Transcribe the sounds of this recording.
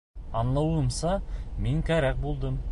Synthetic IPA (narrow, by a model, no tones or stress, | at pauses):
ɑnlˠɑwɤ̆msɑmiŋkæɾæk̚bulˠd̪ɤm